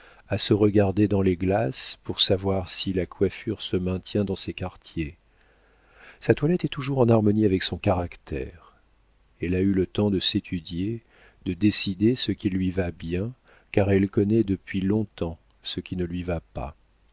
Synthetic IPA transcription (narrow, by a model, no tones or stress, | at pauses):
asəʁəɡaʁd̪ed̪ɑ̃leɡlaspuʁsavwaʁsilakʰwafyʁsəmɛ̃t̪jɛ̃d̪ɑ̃sɛkaʁt̪je | sat̪walɛt̪ɛt̪uʒuʁɑ̃naʁmɔniavɛksɔ̃kaʁakt̪ʰɛ̰ʁ | ɛlaylət̪ɑ̃d̪əset̪ʰyd̪je | d̪əd̪esid̪esəkʲilɥivabjɛ̃ | kaʁɛlkɔnɛd̪əpɥilɔ̃t̪ɑ̃ | səkʲinəlɥivapa̰